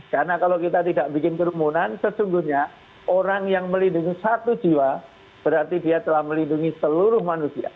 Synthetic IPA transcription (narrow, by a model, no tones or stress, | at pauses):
karnakalowkit̪at̪idaʔbikɪnkəɾumunansəsuŋɡuhɲa | ʔoɾaŋjaŋməlinduŋisat̪ud͡ʒiwa | b̥əɾart̪idiat̪əlahməlinduŋisəluɾʊhmanusia̰